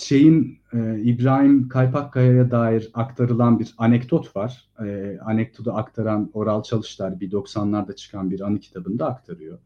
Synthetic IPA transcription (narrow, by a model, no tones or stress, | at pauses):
t͡ʃʰe̞jinɛibɾaːɦimkʰajpʰakʰːajajad̪aːjiɾakt̪ʰaɾɯlˠanbiɾanɛcd̪o̞t̪vaɾ̥ | ɛanɛk̚d̪ʰo̞d̪aakt̪ʰaɾano̞ɾalˠt͡ʃʰalˠɯʃlˠaɾbid̪o̞ksanlˠaɾd̪at͡ʃʰɯ̥kʰanbiɾanɯcʰi̥t̪ʰabɯnd̪aːkt̪ʰaɾɯjo̞